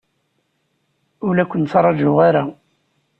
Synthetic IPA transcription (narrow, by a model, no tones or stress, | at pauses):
ʊlækʷənt͡sɑɾˤɑd͡ʒʊʁaɾa